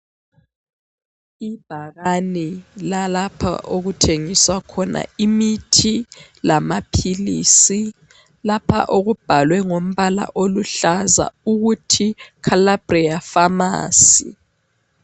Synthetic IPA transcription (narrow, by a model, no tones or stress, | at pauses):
ib̥ʱaɣanilalapʰa̰ʔoɣutʰeŋiswakʰɔna̰imitʰi | lamapʰilisi | lapʰa̰ʔoɣub̥ʱalwɛŋom̩βala̰ʔoluɬaza̰uɣutʰikʰalab̥rijafama̰ːsḭ